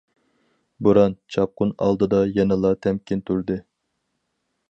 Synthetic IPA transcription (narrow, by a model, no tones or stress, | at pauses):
buɾɑnt͡ʃʰɑp̚qʊnɑ̰lˠd̪ɨd̪ɑjɛnɨlˠɑt̪ʰɛmkʲɪnt̪ʰyɾd̪ɪ